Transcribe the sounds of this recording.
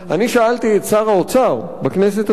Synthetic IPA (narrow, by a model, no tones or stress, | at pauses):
aniʃaalt̪iet̪t͡saʁaot͡saʁbaknes̬et̪